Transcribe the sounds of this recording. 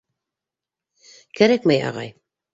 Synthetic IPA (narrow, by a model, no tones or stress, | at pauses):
kæɾækmæjɑ̰ʁɑ̰j